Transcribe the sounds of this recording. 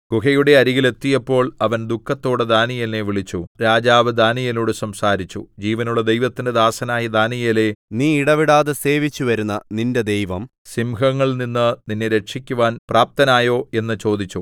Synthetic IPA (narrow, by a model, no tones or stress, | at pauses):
kukɐjuɽe̞ɐɾiɣile̞t̪ːijɐpːo̞ːɭɐʋɐnd̪ukːɐt̪ːo̞ːɽed̪aːnijɐlneʋiɭit͡ɕːuɾaːd͡ʑaːʋɨd̪aːnijɐloːɽɨsɐmsaːɾit͡ɕːṵd͡ʑiːʋɐnuɭːɐd̪e̞jʋɐt̪ːinded̪aːsɐnaːjid̪aːnijɐle̞niːiɽɐʋiɽaːðese̞ːʋit͡ɕːuʋɐɾunːɐninde̞d̪ejʋɐm | simɦɐŋːɐɭninːɨninːeɾe̞ʈʂikʲːuʋaːnprʔaːp̚t̪ɐnaːjo̞ːe̞nːɨt͡ɕo̞ːd̪it͡ɕːu